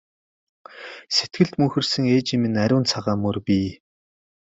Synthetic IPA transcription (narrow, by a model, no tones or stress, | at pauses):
set̪̚ɡɘ̆ɮt̪mɵxɘ̆rsɘ̆ŋeːt͡ɕimɘ̆næɾʲʊːnt͡sʰaʁaːmɵrpʲiː